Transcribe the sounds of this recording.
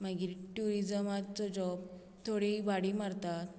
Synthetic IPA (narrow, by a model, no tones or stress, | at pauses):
məɡiːɾʈuɾid͡zəmat̪t͡sɔd͡ʑɔb | t̪ʰoɽibaɽimaɾt̪at̪̚